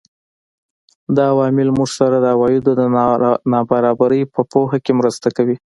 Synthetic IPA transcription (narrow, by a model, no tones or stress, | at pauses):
d̪ɑawɑmɪlmuʐsaɾad̪əawɑjɪd̪od̪ənɑbaɾɑbaɾəjpəpohakemɾəst̪akawi